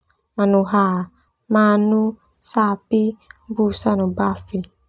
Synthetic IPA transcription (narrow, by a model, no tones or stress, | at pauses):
manuɦa | manu | sapibusanubafi